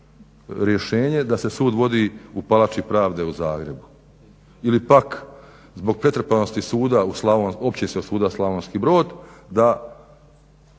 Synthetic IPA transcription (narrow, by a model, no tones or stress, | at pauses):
ɾje̞ʃeːɲe̞d̪ase̞suːd̪ʋo̞d̪iːupalat͡ʃipɾaːʋd̪e̞uzaːɡɾe̞bu | ilipak | zbo̞ɡ̚pɾe̞t̪ɾepanost̪isuːd̪auslˠaʋonopt͡ɕisesuːd̪aslˠaʋoːnskiːbɾo̞ːd̪d̪a